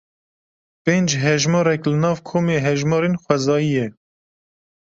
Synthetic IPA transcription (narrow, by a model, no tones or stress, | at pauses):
peːnd͡ʒɦɛʒmɑːɾɛklɨnɑːvkʰoːmeːɦɛʒmɑːɾeːnxwɛzɑːjijɛ